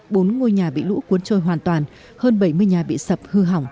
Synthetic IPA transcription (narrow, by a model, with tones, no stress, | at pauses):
ɓo˨˦nŋo˧jɲaː˨˩ɓḭ˧˨lṵ˧˥ku˨˦ənt͡ɕo˧˩jɦwaː˨˩nt̪waː˨˩n | həː˧nɓə˧˩jmɨ˧əjɲaː˨˩ɓḭ˧˨sə˨˩p̚hɨ˧ɦa˧˩wŋ͡m